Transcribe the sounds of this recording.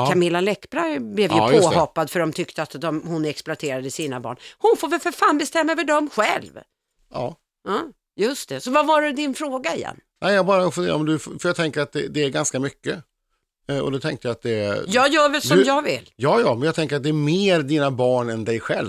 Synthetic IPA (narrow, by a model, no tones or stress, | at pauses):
kʰamɪlːalɛkːbɾablɛvjapjʰoːhɔpːad̪əfœɖɔmt̪ʰʏkt̪əat̪d̪ɔmhʊnɛksplʊat̪ʰeːɾad̪əsiːnabɑ̰ːɳhʊnfoːɾvɪlfəɾfaːnbɛst̪ɛmːaɛvəɖɔmɧɛ̰lv | ɑ̰ː | ɑː | jɵst̪ɛsɔvavaɾɛd̪ɪnfɾoːɡaɪjɛ̰nːnɛɪjɑɡbɑːɾaɔfɵnḛːɾɔmd̪ɵffœjɑɡ̚t̪ʰɛŋkəɾat̪̚d̪ɛ̰d̪ɛæɾɡanskamʏkːə | ɔ̰d̪ɛt̪ʰɛŋkt̪əjaat̪̚d̪ɛjɑːɡjœːvɛsɔmjɑɡvɪ̰lːjɑːjɑːmɛnjɑɡt̪ʰɛŋkəɾat̪̚d̪ɛːɾmeːɾd̪iːnabɑːɳɛnd̪ɛjɧɛ̰l